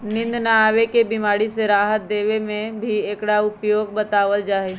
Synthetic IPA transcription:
nɪ̃nd̪naaːʋekebimaːɽiseɾaːɦət̪̚d̪eːʋemẽbʱieːkɽaʊpjoːɡbət̪aːʋəld͡ʒaːɦeː

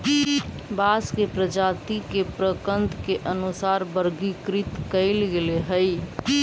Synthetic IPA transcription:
baskepɾəd͡ʒat̪ikepɾəkənd̪keʔənusaɾbəɾɡikɾit̪kəɪlɡeleɦəj

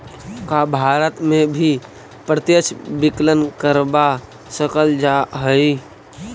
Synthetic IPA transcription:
kabʱaːɾət̪mẽbʱi | pɾət̪jət͡ʃbɪklənkəɾba | səkəld͡ʒaɦəi

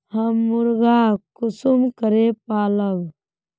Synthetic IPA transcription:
həmːʊɾɡakʊsumkəɾepaːləʋ

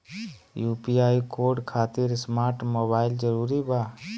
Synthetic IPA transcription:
juːpiaːikoːɾɖkʰaːt̪iɾsmaːɾʈmoːbaːɪld͡ʒəɾuːɾibaː

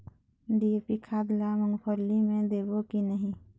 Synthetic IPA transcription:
ɖiepikʰaːd̪lamʊnpʰəɾlimẽd̪eːbokinəɦĩ

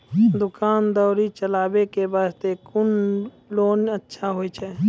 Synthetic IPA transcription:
d̪ʊkaːnd̪ɔːɾit͡ʃəlaːbekebaːst̪ekʊn | loːnətːʃʰaɦoit͡ʃʰɛ

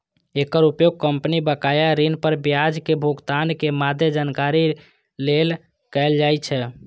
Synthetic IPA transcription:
ekəɾupjoɡ̚kəmpnibəkajaɾinpəɾbjad͡ʒkebʱuɡt̪ankemad̪ʱjəd͡ʒankaɾi | lel | kɛld͡ʒajt͡ʃʰɛ

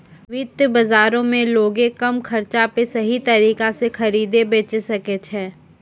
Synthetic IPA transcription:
ʋɪt̪jəbɐzaːɾõmẽloːɡẽkɐmkʰɐɾt͡ʃapesɐɦit̪ɐɾiːkasexʰɐɾiːd̪ebeːt͡ʃesɐket͡ʃʰɛː

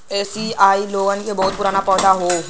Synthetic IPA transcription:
eːsiaːiloːɡankebɐɦʊt̪̚pʊɾaːnapɔːd̪aɦoː

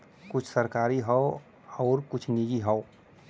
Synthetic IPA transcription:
kʊt͡ʃʰsəɾkaːɾiɦɔo | ɔːɾkʊt͡ʃʰnid͡ʒiɦəo

